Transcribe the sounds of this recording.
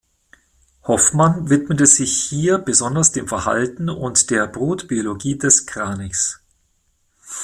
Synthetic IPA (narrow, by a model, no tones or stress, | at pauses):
hɔfmanvɪtmətəz̥ɪçhiːɐbəzɔndɐsd̥eːmfɛɐha̰ltn̩ʊ̰ntd̥eːɐbʁoːtb̥ioloɡiːdɛskʁ̥aːnɪks